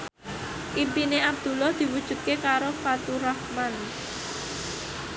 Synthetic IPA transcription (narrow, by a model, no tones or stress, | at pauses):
ʔimpineʔab̚d̪̥ṳlahd̪̥i̤wud̥ʒ̥ṳt̪̚kekaɾofat̪uɾahman